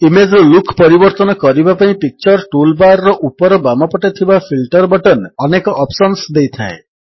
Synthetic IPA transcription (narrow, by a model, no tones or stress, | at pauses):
imed͡ʒlukʰpɔɾibɔɾt̪ɔnɔkɔɾibapaĩpik̚t͡ʃɔɾʈulbaɾːɔʔupɔɾɔbamɔpɔʈet̪ʰibapʰilʈɔɾbɔʈɔnɔnekɔʔɔpsɔnsd̪ejt̪ʰae